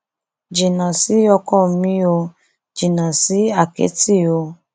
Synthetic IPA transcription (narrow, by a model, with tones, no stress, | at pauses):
d͡ʒi˨nã˨si˨˦ɔ˧kɔ˦˨˦mĩ˦o˧ | d͡ʒi˨nã˨si˨˦a˦˨kḛ˨˦ti˦˨o˧